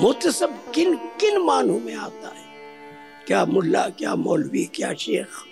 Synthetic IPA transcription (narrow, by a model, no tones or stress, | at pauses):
mʊːt̪ɐsɐbkɪnkɪnmaːnũmẽaːt̪a̰ɦɛː | kjaːmʊlːa̰ːkjaːmɔːlwikjaːʃḛːɾaː